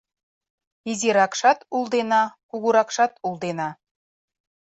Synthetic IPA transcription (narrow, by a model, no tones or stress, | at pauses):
izʲeɾɑkʃɑt̪ulˠd̪enɑkuɣuɾɑkʃɑt̪ulˠd̪enɑ